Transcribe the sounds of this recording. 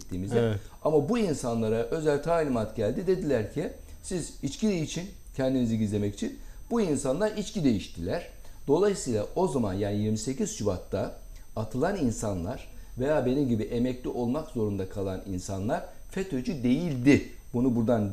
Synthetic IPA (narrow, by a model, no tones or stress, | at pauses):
t̪ːiːmizɛamabuinsanlˠaɾaʔø̞zælʲt̪ʰaːlʲimat̪ɟælʲd̪id̪e̞d̪ilʲæɾcʰi | sizit͡ʃcid̪eit͡ʃʰin | cʰɛnd̪iniziɟizlʲe̞mɛci̥t͡ʃʰinb̥uinsanlˠaɾit͡ʃcid̪e̞jiʃt̪ʰilʲæɾ̥ | d̪̥o̞lˠajisɯjlˠaʔo̞zamanjaːnijiɾmise̞cʰiz̥ʃubat̪ːa | at̪ʰɯlˠaninsanlˠaɾ̥ve̞jaːbe̞nimɟibiʔe̞mɛclʲiʔo̞lˠmakzo̞ɾund̪akʰalˠaninsanlˠaɾ̥ | fet̪ʰo̞d͡ʒyd̪e̞jilʲd̪i | bunubuɾd̪an